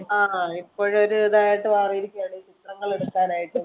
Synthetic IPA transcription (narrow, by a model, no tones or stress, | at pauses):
aːipːo̞ːɻoɾuɐðaːjaːʈːɨʋaːrijiɾikʲːujaːɳit͡ɕit̪rɐŋːɐɭuɽɐkːaːnaːjiʈːɨ